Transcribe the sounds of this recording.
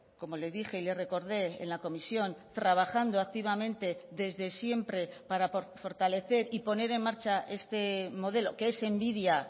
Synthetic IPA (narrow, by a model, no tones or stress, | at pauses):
ko̞mo̞le̞zðixe̞ile̞re̞ko̞ɾðe̞ḛnlako̞misjo̞nt̪ɾaβ̞axand̪oak̚t̪iβamẽ̞nt̪e̞ðe̞zðe̞sje̞mpɾe̞paɾafo̞ɾt̪ale̞θe̞ɾipo̞ne̞ɾe̞nmːaɾt͡ʃaʔe̞st̪e̞mo̞ð̞e̞lo̞keese̞mbiðja